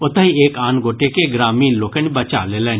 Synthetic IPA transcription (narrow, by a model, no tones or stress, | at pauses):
ʊt̪əieːkaːnɡoːʈekeɡɾaːmiːnloːkənbɐt͡ʃa̰leːleːn